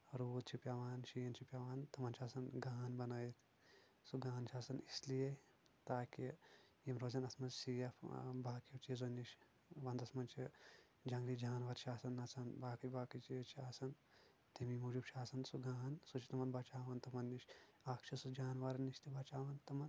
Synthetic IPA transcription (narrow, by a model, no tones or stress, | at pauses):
ɾuːt̪t͡ʃʰipʲjaːʋaːnʃijɐnt͡ʃʰipjaːʋaːnt̪ɐmɐnt͡ʃʰaːsɐnɡaːnbɐnaːjit̪ʰ | suɡaːnt͡ʃʰaːsɐnislije | t̪aːki | jimɾoːzɐnɐsmɐzsijɐfbʱaːkit͡ʃizonːiʃ | ʋɐnd̪ɐsmɐnt͡ʃʰi | d͡ʒɐŋɡlid͡ʒaːnʋɐɾʃʰaːsɐnːɐt͡sɐnbaːkɐjʲbaːkɐt͡ʃit͡ʃʰiaːsɐn | t̪imimuːd͡ʒubt͡ʃʰaːsɐnsuɡaːnsut͡ʃʰit̪ɐmɐnbaːt͡ʃaːʋɐnt̪ɐmɐnːiʃ | aːkt͡ʃʰɐsud͡ʒaːnʋaːɾɐnːiʃt̪ibaːt͡ʃaːʋɐnt̪ɐmɐn